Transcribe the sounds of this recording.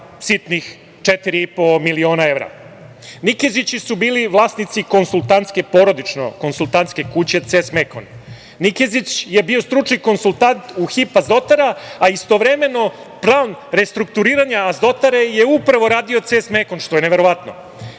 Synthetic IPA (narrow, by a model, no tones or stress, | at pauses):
sit̪nix | t͡ʃet̪iɾiipo̞milio̞ːnae̞ʋɾa̰ | nikezit͡ɕisubiːliʋlˠaːsnit̪siko̞nsulˠt̪ant̪ske̞po̞ɾo̞d̪it͡ʂno̞̰ko̞nsulˠt̪ant̪ske̞kut͡ɕe̞t̪sesmeko̰n | nikezit͡ɕje̞bio̞st̪ɾut͡ʂniko̞nsulˠt̪ant̪uxipazd̪o̞t̪aɾaaist̪o̞ʋɾe̞me̞no̞ | plˠaːnɾe̞st̪ɾuk̚t̪uɾiːɾaɲaːzd̪o̞t̪aɾe̞jeupɾaʋo̞ɾaːd̪io̞t̪sesmeko̞nʃt̪o̞jeneʋe̞ɾo̞ʋat̪no̰